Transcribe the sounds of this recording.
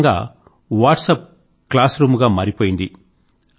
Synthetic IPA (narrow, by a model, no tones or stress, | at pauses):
ŋɡa̰ː | ʋaːʈsɐp̚ | klaːsɾuːmɡaːmɐɾipoːjind̪i